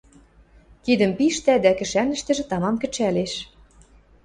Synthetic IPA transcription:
k̪id̪ə̆mpiʃt̪æd̪ækɘ̆ʃænə̆ʃt̪ɘ̆ʒɘ̆t̪ɑmɑmkɘ̆t͡ɕæleʃ

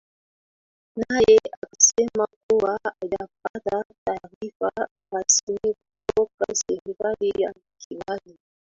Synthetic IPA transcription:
najɛakḁsɛmakuwaaʄap̚atataːɾifa | basikutɔkasɛɾikalija̰m̩kilali

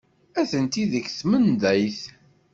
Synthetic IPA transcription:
æθənt̪iðəçθmənd̪æjθ

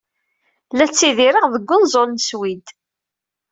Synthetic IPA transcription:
læt͡sːiðiɾəʁðəɡʷːʊnzˤolnəswid̪

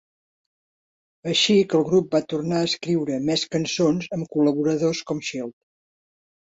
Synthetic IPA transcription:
əʃikəlˠɣɾup̚bat̪urnaəskɾiwɾəmɛskənsonzəmkuləβuɾəðoskɔmʃilˠt̪̚

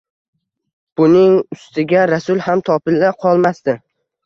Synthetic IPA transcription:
b̥ʊnɪŋʊst̪ɪɡʲaɾasʊlˠhamt̪ʰɒpɪlːaqʰɒlˠmast̪ɪ

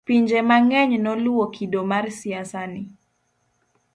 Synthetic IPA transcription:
piɲd͡ʒɛmaŋɛɲnɔluɔkʰidɔmaɾsiasani

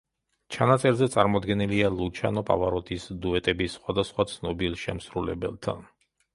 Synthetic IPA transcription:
t͡ʃʰanat̪sʼɛɾzɛt̪sʼaɾmɔd̪ɡɛnilialˠut͡ʃʰa̰nɔpʼa̰vaɾɔt̪ʰʼisd̪uɛt̪ʼɛbisχwad̪asχwat̪sʰnɔbilˠʃɛmsɾulɛ̰bɛ̰lˠt̪ʰa̰n

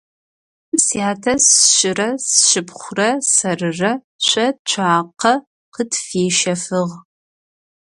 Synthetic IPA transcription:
msiaːtʰɐsʃɪrɐsʃɪpχʷʊrɐsɐrɨrɐ | ɕʷɐt͡ʃʷʰaːqɐ | qətfeːʃɐfɨʁ

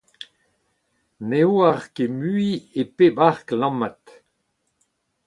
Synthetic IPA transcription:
neoaʁkemyiepebaʁklɑ̃mat̪

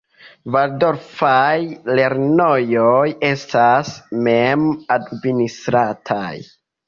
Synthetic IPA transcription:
vaɾdo̞ɾfajle̞ɾno̞joje̞stasmemadministɾatʰa̰j

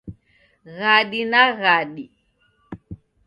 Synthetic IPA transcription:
ɣaɗinaɣaɗi

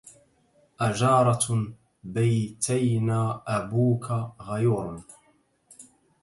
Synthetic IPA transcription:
ʔad͡ʒɑːɾˤɑ | bajt̪ʰajnaːʔabuːkʰaɣajuɾn

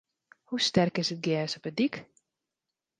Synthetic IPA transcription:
hustɛrkɪsət̚ɡɛːsɔpədik

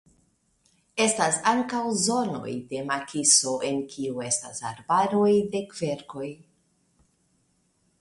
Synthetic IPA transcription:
e̞stasaŋkawzo̞no̞̰jde̞makʰiso̞ʔe̞nkʰiue̞sta̰sa̰ɾbaɾo̞jde̞kve̞ɾko̞j

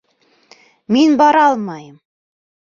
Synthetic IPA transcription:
minbɑɾɑlˠmɑjɤm

